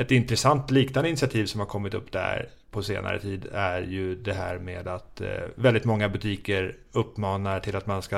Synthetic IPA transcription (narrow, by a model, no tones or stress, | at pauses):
ɛt̪ɪnt̪ɾɛsant̪liːknand̪ɪntsɪat̪ʰiːvsɔmhaɾkʰɔmːɪt̪ɵ̰pːd̪æ̰ɾ | pʰɔsḛːnʔa̰ɾə̰t̪ʰiːd̪æɾjɵd̪ɛɦæ̰ːɾmeːd̪at̪vɛld̪ɪt̪mɔŋːabɵt̪ʰiːkəɾ | ɵpːmɑːnaʈʰɪlat̪manska